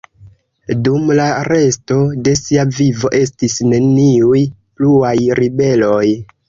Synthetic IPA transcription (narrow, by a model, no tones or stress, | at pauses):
dumlaɾe̞sto̞de̞siavivo̞ʔe̞stisne̞niuj | pluajɾibe̞lo̞j